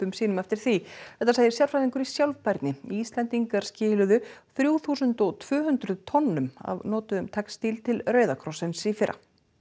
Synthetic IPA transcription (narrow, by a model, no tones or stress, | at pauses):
ʏmsiːnʏmɛft̪ɪɾ̥θiθɛht̪asaːɣðɪɾsjawɾfɾajðiŋkʏɾisjawlvpajɾt̪nɪiːst̪lɛnt̪iŋkaɾ̥scɪːlʏðʏθɾjuːθuːsʏnt̪ɔɣt̪ʰv̥ʏːɦʏnd̪ɾʏðt̪ʰɔnːʏma̰vnɔːt̪ʏʏmt̪ʰɛknst̪iːlt̪ʰɪlrœːɥðakʰɾɔsɛnsifɪɾa̰